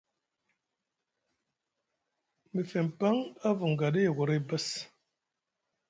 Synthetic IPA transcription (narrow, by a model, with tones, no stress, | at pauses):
mə˨fe˨m˨pa˦ŋa˦vu˨ŋ˨ɡa˨di˦˨ɡu˨ɾe˦˨bə˦s